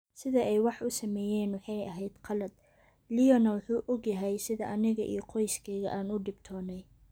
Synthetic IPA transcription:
sɪðɐʔɛjwɑħʊsɐmɛːjɛːnwʊħɑjʔɐɦɛjd̪̥qʰɑlɐd̪̥̚ | lɪjɔnɐwʊħuːʔɔɡjɐɦɛjsɪðɐʔɐnɪɣɐʔḭjɞqʰɔjskʰɛːɣɐ̰ʔaːnʊɖɪbt̪ʰɔːnɛj

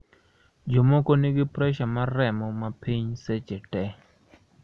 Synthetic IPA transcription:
d͡ʒomɔkɔniɡɪpɾɛʃamaɾɛmɔmapiɲsɛt͡ʃɛtɛ

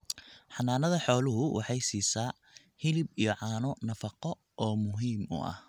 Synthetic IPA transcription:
ħɑnaːnɐðɐħɔːlʊɦʊwʔɑ̰ħɑjsiːsaː | hɪlɪbijɔʕɑːnʊnɐfɑqɔ | ʔɔːmʊɦiːmʊ̰ʔɐ̰h

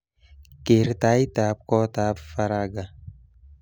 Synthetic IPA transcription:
keɾt̪aːit̪aːp̚koːt̪aːpfɐɾaːɡa

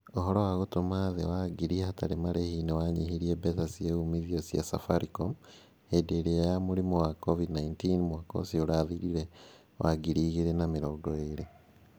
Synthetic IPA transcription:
oɦoɾowaɣotomaðewaɡiɾihataɾemaɾehiːnewaɲihiɾiebetasieumiðiosja̰sa̰faɾikom | hedeɾejamuɾimowakovidnaintinmwako̰sioɾaːðiɾiɾe | wʔaɡiɾiːɣeɾenamiɾoːɡoeɾe

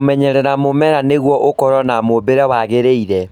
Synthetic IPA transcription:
mɛɲɛɾɛɾamomɛɾaneɣwɔʔokɔɾɔnamobeɾawaɣeɾeiɾɛ

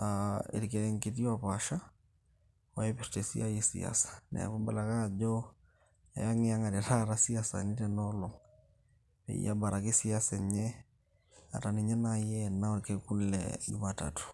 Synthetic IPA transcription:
aḭɾikɛɾɛŋketiwapaʃa | wajɛpɛɾtesḭajisḭa̰sḁnɛ̰a̰kubalakad͡ʒɔ | a̰jaŋiaŋaɾɛɾaɾasiasa̰nitɛnɔlɔŋ | pɛ̰ḭjabaɾʔakisiasɛɲɛ | a̰taniɲɛnajɛnaoɾkɛkunlɛ̰ɟumata̰tu̥

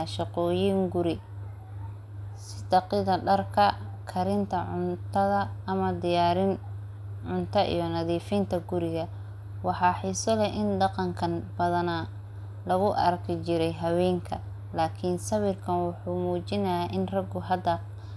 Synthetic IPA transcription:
ʃɑqɔːjiːŋɡʊɾɪ | sɪd̪ɑqɪðɐɖɐrkʰɐ | kʰɐɾɪnt̪ʰɐʕʊnt̪ʰɐðɐːmɐd̪ɪjaːɾɪn | ʕʊnt̪ʰɐʔḭjɞnɐðiːfiːnt̪ʰɐɡʊɾɪɣɐ | wɑħɑːħɪsɔlɛʔɪnd̪ɑqɑŋkʰɐnbɐðɐna | lɐɣʊʔɐ̰rkʰɪt͡ʃɪɾɛjɦɐwɛːŋkʰɐ | laːkʰɪnsɐβɪrkʰɐnwʊħuːmuːt͡ʃɪnɐjaːʔɪnrɐɡʊɦɐd̪ːɐ

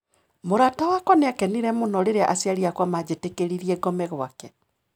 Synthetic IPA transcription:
moɾatawakɔneakɛniɾɛmonɔɾeɾeaʔasjaɾiakwamad͡ʑetekeɾiɾiɛɡɔmɛɣwakɛ

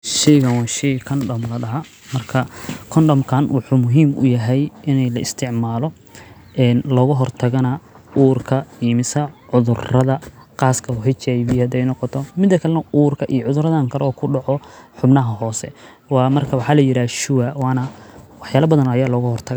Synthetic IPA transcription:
ʃɛjɣɐnwɑːʃɛjkʰɔnɖɔmlɐɖɐɦɐ | mɐrkʰɐkʰɔnɖɔmkʰanwʊħuːmʊɦiːmʊ̰jɐɦɛjɪnɛjlɐʔɪst̪ʰɪʕmaːlɔ | ʔɛːnlɔːɣʊɦɔrt̪ʰɐɣɐnɐ | uːrkʰɐiːmɪsɐʕʊðʊrɐðɐqɑːskʰɐwʊħɪt͡ʃajβɪjɐd̪ɛjnɔqɔt̪ʰɔmɪd̪ːɐkʰɐlɐnɐuːrkʰɐʔijʕʊðʊrɐðɐŋkʰɐɾɔːkʰʊɖɑʕɔħʊbnɐɦɐɦɔːsɛ̰ | wɑːmɐrkʰɐwɑħɑlɐjɪɾaːʃʊwɐwɑːnɐwɑħjaːlɐbɐðɐnɐjaːlɔːɣʊhɔrt̪ʰɐɣ

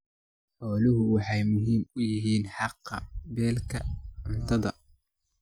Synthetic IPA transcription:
ħɔːlɪɦʊwɑħɑjmʊɦiːmʊjɪɦiːnħɑqːɑ̰bɛːlkʰɐʊnt̪ʰɐðɐ

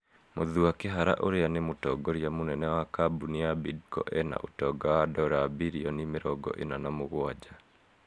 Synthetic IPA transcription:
moðuakeɦaɾa̰ʔoɾeanemotɔːɡɔɾiamonɛnɛwakabuniabidkɔ̰ʔɛna̰ʔotɔɡawadɔɾabiɾiɔnimeɾɔɡɔ̰ʔenanamoɣwad͡ʒa

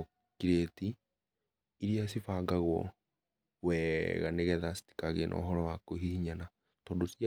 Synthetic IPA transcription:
o | kiɾetiː | ɾias̬ifaːɡaɣwɔ̰ | wɛɣa̰neɣɛðasi̥ti̥kaɣenʔɔ̰ːɦɔɾɔwakoɦihiɲana | tɔːndosia

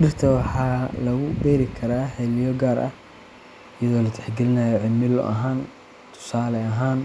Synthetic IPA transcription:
ɖɪrt̪ʰɐwɑħɑːlɐɣʊbɛːɾɪkʰɐɾaːħɛlɪjɔɡaːɾʔɐ̰h | ɪjɐðɔːlɐt̪ʰɛ̥ħɡɛlɪnɐːjɔʕɪmɪlɔ̰ʔɐ̰ɦaːn | t̪ʰʊ̥saːlɛɐɦaːn

